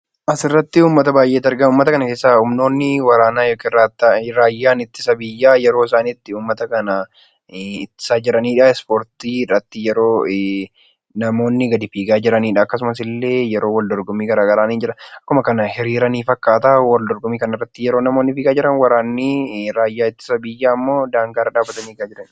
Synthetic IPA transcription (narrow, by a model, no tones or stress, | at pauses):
ʔɐsɪrːɐt̪ːɪuːmːɐt̪ɐbaːjʔe̞ːt̪ːɐɾɡɐnuːmːɐt̪ɐkɐnɐke̞ːsːaʊmno̞ːnːɪwɐɾaːnaːjokːɪraːt̪ːɾaːjːaːnɪt̪ːɪ̥sɐbɪjːaːjɛɾo̞ːɪs̬aːniːt̪ːɪuːmːɐt̪ɐkɐnɐ | ɪt̪ːɪ̥saːd͡ʒɪɾɐniːᶑaɛspoːɾt̪iːrːɐt̪ːɪjɛɾo̞ː | nɐmo̞ːnːɪɡɐd̪ɪfiːɡaːd͡ʒɪɾɐniːᶑaːkːɐs̬ʊmɐs̬ɪlːe̞ːjɛɾo̞ːwɐld̪ɔɾɡɔmiːɡɐɾaːɡɐɾaːniːnd͡ʒɪɾɐnɐkːʊmɐkɐnɐhɪɾiːɾɐniːfɐkːaːt̪awɐld̪ɔɾɡɔmiːkɐnɐrːɐt̪ːɪjɛɾoːnɐmo̞ːnːɪfiːɡaːd͡ʒɪɾɐnwɐɾaːnːɪɾaːjːaːɪt̪ːɪ̥sɐbɪjːaːmːo̞ːd̪aːŋɡaːɾɐᶑaːbːɐt̪ɐniːɡaːd͡ʒɪɾɐn